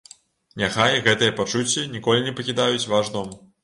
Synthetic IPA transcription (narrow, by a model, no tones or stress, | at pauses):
nʲaxajɣɛt̪ɨjɐpat͡ʂut͡sʲːɐnʲikɔlʲinʲɛpɐkʲid̪ajut͡sʲvaʐd̪ɔm